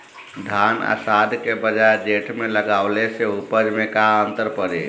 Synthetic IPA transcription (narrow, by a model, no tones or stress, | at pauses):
d̪ʱana̰sad̪ʱkebəd͡ʒaed͡ʒeʈʰmeləɡaʊleseupəd͡ʒmekaənt̪əɾpəɾe